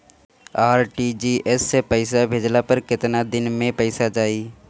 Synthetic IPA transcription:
aːɾʈid͡ʒiːʔɛsːepəɪsabʱeːd͡ʒlapəɾkɪt̪nad̪ɪnmẽpəɪsad͡ʒaːiː

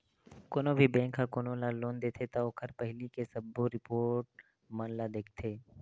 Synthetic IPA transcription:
koːnobʱibɛ̃ːŋkʰːakoːnolaloːnd̪eːt̪ʰet̪aoːkʰəɾpɛɦlikesɐbːoɾɪpoːʈ̚ | mənlad̪eːk̚ʰt̪ʰeː

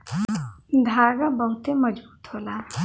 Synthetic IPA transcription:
d̪ʱaɡabʌɦut̪emʌd͡ʒbuːt̪ɦola

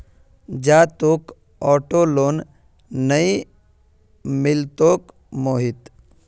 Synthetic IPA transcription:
d͡ʒaːt̪ok | ɔːʈoloːnː | əi | mɪlt̪oːk | moːɦit̪

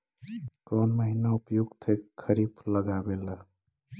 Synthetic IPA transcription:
kɔnməɦinaupjuɡt̪ʰekkʰːəɾibʰləɡabela

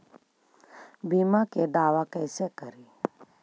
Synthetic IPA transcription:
biːmakeɖ̪aːʋakɛːsekəɾi

